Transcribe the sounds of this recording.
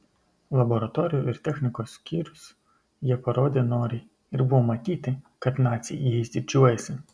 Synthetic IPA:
lˠɐbɔɾɐt̪ɔɾʲɪjʊɪɾt̪ʲɛxʲnʲɪkoːsːkʲiːɾʲʊs | jiɛpɐɾoːd̪ʲenoːɾʲɪ | ɪɾbʊʋɔmɐt̪ʲiːt̪ʲɪkɐt̪nɑt̪sʲɪjijɛsʲd̪ʲɪd͡ʒʲuɔjɛsʲɪ

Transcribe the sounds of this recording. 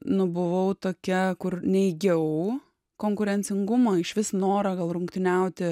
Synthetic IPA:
nʊbʊʋɐʊt̪oːkʲɛkʊrnʲɛɪɡʲɛʊ | koːŋkʊɾʲɛnʲt͡s̪ʲɪŋɡʊmɐɪʃʋʲɪsnoːɾɐɡɐlˠɾʊŋkt̪ʲɪnʲɛʊt̪ʲɪ

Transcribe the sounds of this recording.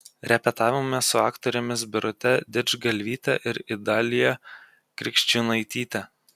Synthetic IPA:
ɾʲɛpʲɛt̪ɑːʋʲɪmmʲɛsʊɑːkt̪ɔɾʲʊmʲɪs̬bʲɪɾʊt̪ʲɛd̪ʲɪd͡ʒɡɐlʲʋʲiːt̪ʲɛ̰ʔɪɾɪd̪ɑːlʲɪjɛ | kɾʲɪkʃʲt͡ʃʲunɐɪt̪ʲiːt̪ʲɛ

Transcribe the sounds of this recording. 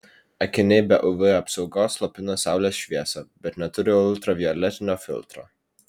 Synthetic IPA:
ɐkʲɪnʲɛbʲɛʔʊʋɨɐpsɒʊɡoːslˠɐpʲɪnoːsɑˑʊlʲeːsʃʲʋʲiɛsɐb̥ʲɛt̪nʲɛt̪ʊɾʲɪʊlˠt̪ɾɐʋʲiɔɾlʲɛt̪ʲɪnʲoːfʲɪ̰lʲˠt̪ɾo̰ː

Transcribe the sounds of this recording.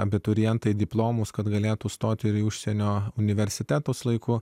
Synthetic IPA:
ɐbʲɪt̪ʊɾʲɛnt̪ɐɪd̪ʲɪplˠoːmuːskɐt̪ɡɐlʲeːt̪uːst̪oːt̪ʲɪɾiʊʃʲsʲɛnʲoːʊnʲɪʋʲɛɾʲsʲɪt̪ʲæːt̪oːslˠɐɪkʊ

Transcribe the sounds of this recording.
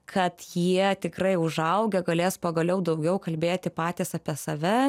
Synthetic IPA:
kʰɐt̪jiɛt̪ʲɪkrɐɪʊʒɐʊɡʲɛɡɐlʲeːspoːɡɐlʲɛʊd̪ɐʊɡʲɛʊkɐlʲbʲeːt̪ʲɪpɑːt̪ʲiːsɑpʲiɛsɐʋʲɛ

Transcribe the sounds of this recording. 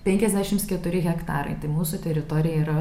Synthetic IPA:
pʲɛŋʲkʲɛzʲd̪ʲæːʃʲɪmskʲɛt̪ʊɾʲɪɣʲɛkt̪ɑːɾɐ̰ɪt̪ɐɪmuːsʊt̪ʲɛɾʲɪt̪oːɾʲɪjɛiɾɐ

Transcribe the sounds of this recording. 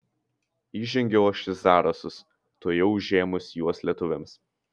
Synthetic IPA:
iːʒʲɛŋʲɡʲɛoːʃʲɪzɑːɾɐsʊs | t̪oːjɛʊʒʲeːmʊsjuɔslʲiɛt̪ʊʋʲɛms

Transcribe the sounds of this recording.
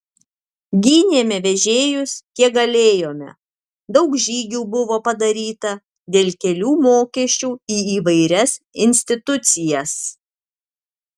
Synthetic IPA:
ɡʲiːnʲeɛmʲɛʋʲɛʒʲeːjʊskʲiɛk̚ɡɐlʲeːjoːmʲɛ̰ | d̪ɒʊkʒʲiːɡʲuːbʊʋoːpɐd̪ɐɾʲiːt̪ɐ | d̪ʲeːlʲkʲɛlʲuːmoːkʲɛʃʲt͡ʃʲuːiːiːʋɐɪɾʲɛsɪnʲsʲt̪ʲɪt̪ʊt̪sʲɪjɛs

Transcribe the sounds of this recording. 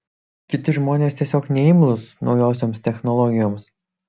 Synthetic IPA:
kʲɪt̪ʲɪʒmoːnʲeːst̪ʲiɛsʲoːknʲɛɪmlˠʊsnʔɒʊjoːsʲoːmst̪ʲɛxnɔlˠɔɡʲɪjoːms

